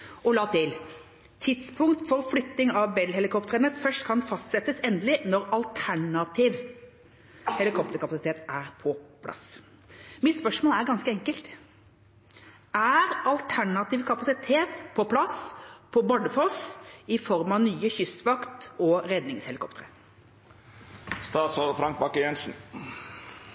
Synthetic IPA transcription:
ɔlɑːt̪ʰɪl | t̪ʰɪd̪spʰʊŋkt̪fɔɾflʏt̪nɪŋɑʋbɛlɦɛlɪkʰɔpt̪əɾənəfœʂʈkʰɑnfɑst̪sɛt̪ːəsɛnd̪əlɪnɔɾɑlt̪ʰæɳɑt̪ʰiːʋ | hɛlɪkʰɔp̚t̪əɾkɑpɑsɪt̪ʰeːt̪æɾpʰɔpʰlɑ̰s | mɪt̪spœʂmoːlæɾɡɑnskəɛŋkəlt̪ | ʔæɾɑlt̪ʰæɳɑt̪iːʋkʰɑpɑsɪt̪ʰeːt̪pʰɔpʰlɑspʰɔbɑɖ̪əfoːsɪfɔɾmɑnyːəçʏsʋɑkt̪ɔɾɛd̪nɪŋshɛlɪkʰɔpt̪əɾə | st̪ɑːd̪sɔlfɾɑŋk̚bɑkːəjɛnsn̩

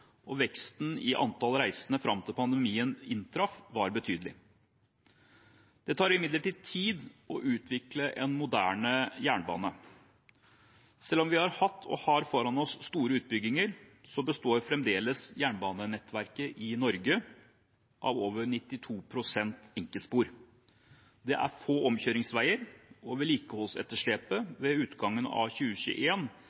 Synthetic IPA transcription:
ɔʋɛkst̪nɪʔɑ̰nt̪ɑlɾæɪsənəfɾɑmt̪ɪlpʰɑnd̪əmiːənɪnt̪ʰɾɑfʋɑɾbət̪ʰyːd̪əlɪ̰ | d̪̥ɛt̪ʰɑːɾɪmɪd̪ləʈiːd̪̚t̪ʰiːd̪ɔʔʉːt̪ʰʋɪkləʔɛnmʊd̪æ̰ːɳəjæːɳbɑ̰ːnə | sɛlɔmʋɪhɑɾhɑt̪ʰːɔ̰hɑɾfɔɾɑnɔsːt̪uːɾəʉːt̪̚bʏɡːɪŋəɾsɔbəst̪oːɾfɾɛmd̪eːləsjæːɳbɑːnənɛt̪ːʋæɾkəʔɪnɔɾɡə | ʔɑ̰ʋoːʋəɾɳɪt̪ːɪt̪ʰuːpʰɾʊsɛnt̪ɪŋkəlt̪spuːɾ | d̪ɛʔæ̰ɾfoːɔmçøːɾɪŋsʋæɪəɾɔʋɛliːkəhɔlsɛ̰t̪ːəʂɭeːpəʋɛʉːt̪ɡɑŋːənɑ̰çʉːəçʉ̰ːʔeːn

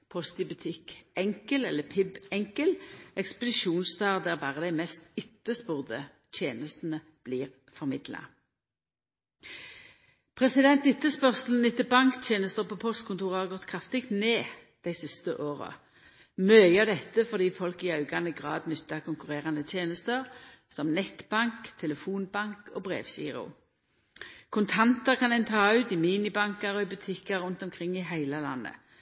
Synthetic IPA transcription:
pʰɔst̪ɪbʉt̪ʰɪkɛŋkəlɛlːəpʰɪbɛŋkəlʔɛkspəd̪ɪʃuːnst̪ɑːʁd̪æːʁbɑːʁəd̪æɪmɛst̪ɪt̪ːəspʊʁd̪ə | t̪ʰjeːnəst̪n̩ə | b̥liːʁ | fɔʁmɪd̪lɑ̰ | pʰʁɛsɪd̪ɛnt̪ɪt̪ːəspœʁsl̩n̩ɪt̪ːəbɑŋkt̪ʰjeːnəst̪əʁpʰoːpʰɔst̪kʰʊnt̪uːʁəhɑʁɡɔt̪kʰʁɑft̪ɪkt̪neː | d̪̥æɪsɪst̪ə̰ʔoːʁə̰ | mœʏəd̪ɛt̪ːəfɔʁd̪iːfɔlkɪɑʉɡɑnəɡʁɑ̰ːd̪nʏt̪ːɑʁkʰʊŋkʉʁeːʁɑnət̪ʰjeːnəst̪əʁ | sɔmnɛt̪b̥ɑŋkt̪ʰɛləfuːnbɑŋkoːbʁḛːʋɕḭːʁʊ̰ | kʰʊnt̪ʰɑnt̪əʁkʰɑnɛnt̪ʰɑːʉt̪ɪmiːnɪbɑŋkəʁɔɪbʉt̪ʰɪkəɾʊnt̪ɔmkʰʁɪŋːɪɦæɪləlɑ̰nːə̰

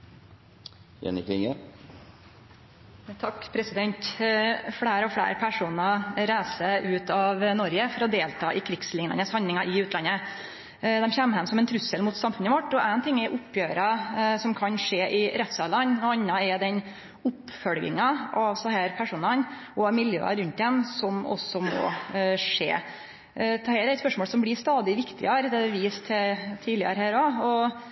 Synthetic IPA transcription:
ɛ̰nɪkɪŋə | t̪ʰɑkːpʰɾɛsɪd̪ɛnt̪ | fɽæːɾɔfɽæ̰ːɾpʰæʂuːnɑɾæɪsəʔʉːt̪ɑʋnɔɾɡəfɔɾɔd̪eːlt̪ʰɑ̰ːʔɪkʰɾɪɡslɪŋnɑ̰nəshɑnɪŋɑʔɪʉːt̪lɑnːə | d̪ɛmçɛmːhɛmsɔmɛnt̪ʰɾʉsəlmʊt̪sɑmfʉnəʋɔʈːɔʔæɪnt̪ʰɪŋːɛɾʔʊpʰːjøːɾɑsɔmkʰɑnʂeːʔɪɾɛt̪sɑːlɑnɔɑnːɑɛɾd̪ɛn | ʊpːfœlɡɪ̰ŋɑɑʋsɑhæːɾpʰæʂuːnɑnʔɔɑmɪljø̰ːɑ̰ɾʉnt̪̚d̪ɛnsɔmɔ̰sːɔmɔ̰ːʂḛː | t̪ʰɛhæːɾæɪspœʂmɔːlsɔmblɪst̪ɑːd̪ɪʋɪkt̪ɪ̰ɑɾd̪ɛd̪ɛʋiːst̪ʰɛt̪ʰiːlɪɑ̰ɾhæːɾoɔ

